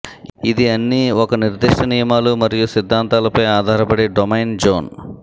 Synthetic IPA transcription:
id̪iɐnːiɔkɐniɾd̪iʂʈɐnijɐmaːlumɐɾijusid̪ʱːaːnt̪aːlɐpɐjaːd̪ʱaːɾɐpɐɽeːɖomɐjnd͡ʒoːn

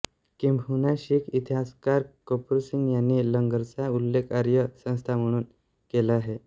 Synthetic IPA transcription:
kimbʱunaɕiːkit̪ʰiɦaskaɾkopɾsiŋɡjanːiːləŋɡəɾt͡saulːekaɾjəsə̃w̃st̪ʰam̤əɽ̃uːn | kelaːɦe

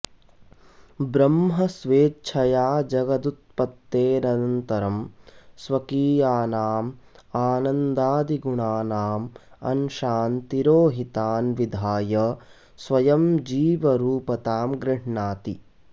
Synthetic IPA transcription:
bɾɐmɦɐsʋeːt͡ʃʰɐjaːd͡ʒɐɡɐd̪ut̪̚pɐt̪ːeːnɐnɐnt̪ɐɾɐmsʋɐkiːjaːnaːmaːnɐnd̪aːd̪iɡuɳaːnaːmɐ̰nʃaːnt̪iɾoːɦit̪aːnʋid̪ʱaːjɐ | sʋɐjɐmd͡ʒiːʋɐɾuːpɐt̪aːmɡɾɪɦɳaːt̪ḭ

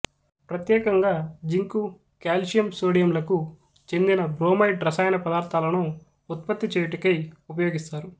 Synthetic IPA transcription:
pɾɐt̪jɛːkɐŋɡaːd͡ʒiŋku | kaːlʃijɐmsoːɽijɐmlɐku | t͡ʃe̞nd̪inɐbɾoːmɐjʈɾɐsaːjɐnɐpɐd̪aːɾt̪ʰaːlɐnuː | t̪̚pɐt̪ːit͡ʃeːjuʈikɐjupɐjoːɡist̪aːɾu

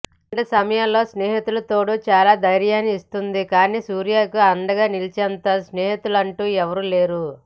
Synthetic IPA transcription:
ʈesɐmɐjɐllo̞ːsneːɦit̪ulɐt̪o̞ːɽut͡ʃaːlaːd̪ɐjɾjaːniist̪und̪ikaːniːsuːɾijaːkuɐnd̪ɐɡaːnilit͡ʃɛnt̪ɐsneːɦit̪ulɐɳʈuːɛʋɐɾule̞ːɾu

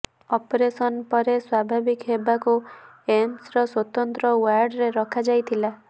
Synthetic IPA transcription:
ɔpɾesɔnpɔɾeswabʱabikɦebaku | emsɾɔswɔt̪ɔnt̪ɾɔwaɾɖɾeɾɔkʰad͡ʒajt̪ʰila

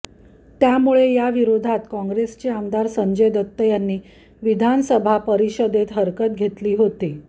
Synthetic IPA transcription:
t̪jamuɭejaʋiɾod̪ʱat̪kɔ̃ŋɡɾest͡ɕeamd̪aɾsəɲd͡ʑəjd̪ət̪ːəjanːiː | ʋid̪ʱansəbʱapəɾiɕəd̪et̪ɦəɾkət̪̚ɡʱet̪liːɦot̪i

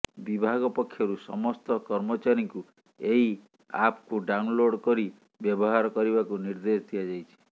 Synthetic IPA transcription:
bibʱaɡɔpɔkʰːjɔɾusɔ̰mɔst̪ɔkɔɾmɔt͡ʃaɾiŋku | eɦi | apkuɖaunloɽkɔɾi | bjɔbɔɦaɾɔkɔɾibakuniɾd̪est̪ʰijad͡ʒajt͡ʃʰi̥

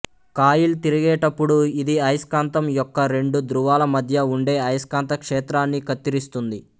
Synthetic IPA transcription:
kaːjilt̪iɾiɡɛːʈɐpːuɽuid̪iɐjskaːnt̪ɐmjɔkːɐɾe̞ɳɖud̪ɾuʋaːlɐmɐd̪ʱjɐuɳɖeːɐjskaːnt̪ɐkʂɛːt̪ɾaːnːikɐt̪ːiɾist̪und̪i

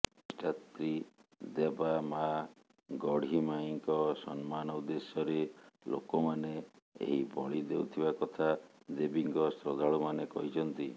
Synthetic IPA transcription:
ʈat̪ɾid̪ebama | ɡɔɽ̤imaiŋkɔsɔnmanɔud̪esjɔɾelo̰kɔmane | ḛɦibɔɭid̪ewt̪ʰibakɔt̪ʰa | d̪ebiŋkɔsɾɔd̪ʱaɭumanekɔɦit͡ʃʰɔnt̪i

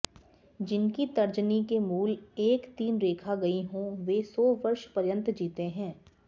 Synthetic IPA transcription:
d͡ʒɪnkit̪ɐɾd͡ʒnikemuːleːkt̪iːnɾeːkʰaɡɐiɦõʋeːsɔːʋɐɾʃpɐɾjə̃nt̪d͡ʒiːt̪eɦɛ̃ː

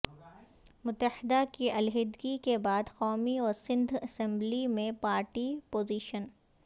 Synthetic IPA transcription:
mʊt̪ːəhɪd̪akiɐlɦɪd̪ɡikebaːd̪xɔːmiɔːɾsɪ̃nd̪ʱɐsɛ̃mblimẽpaːɾʈipoːziːʃən

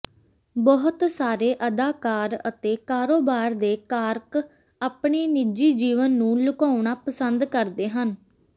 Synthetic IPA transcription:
bɔɦʊt̪saːɾeːʔəd̪aːkaːɾə̰t̪eːkaːɾoːbaːɾd̪eːkaːɾk | aːpɳeːnɪd͡ʒiːd͡ʒiːʋənːũːlʊkaːʊɳaːpəsənd̪kəɾd̪eːɦən

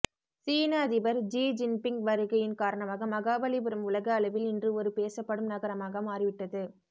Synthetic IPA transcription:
siːnɐɐðɪʋɐɾd͡ʒiːd͡ʒɪnpɪŋɡʋɐɾɯɣɐjɪnkaːɾɐɳɐmaːɣɐmɐɣaːbɐlɪbɪɾɐmʊɭɐɣɐːlɐʋɪlɪndrɯɔɾɯpeːsɐpːɐɽɯmnɐɣɐɾɐmaːɣɐmaːɾɪʋɪʈːɐðɯ

